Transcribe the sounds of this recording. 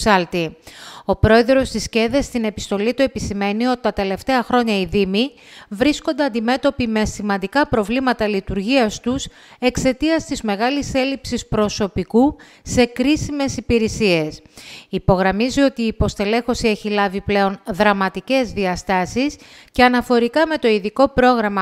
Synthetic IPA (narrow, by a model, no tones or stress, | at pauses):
ɐlt̪io̞pɾo̞e̞ðɾo̞st̪isce̞ðe̞st̪ine̞pi̥st̪o̞lit̪ue̞pisime̞nio̞t̪it̪ɐt̪e̞le̞ft̪e̞ɐxɾo̞ɲɐiðimi | vɾisko̞nd̪eɐnd̪ime̞t̪o̞pime̞simɐnd̪ikɐpɾo̞vlimɐt̪ɐlit̪uɾʝiɐst̪us | e̞kse̞t̪iɐst̪izme̞ɣɐlise̞lipsispɾo̞so̞piku | se̞kɾisime̞sipiɾisie̞sipo̞ɣɾɐmizio̞t̪iːpo̞st̪e̞le̞xo̞sieçilɐviple̞o̞nðɾɐmɐt̪ice̞zðiɐst̪ɐsis | ce̞ɐnɐfo̞ɾikɐme̞t̪o̞iðiko̞pɾo̞ɣɾɐmɐ